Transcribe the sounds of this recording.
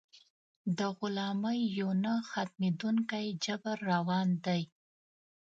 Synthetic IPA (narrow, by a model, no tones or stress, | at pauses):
d̪əɣʊlɑməjːonaxat̪̚med̪uŋkajd͡ʒabaɾːawɑnd̪aj